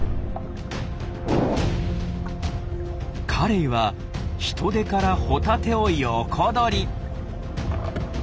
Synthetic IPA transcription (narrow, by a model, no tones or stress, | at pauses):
kʰaɾe̞β̞a | çi̥t̪o̞d̪e̞kaɾaho̞t̪at̪e̞ojokʰod̪oɾʲi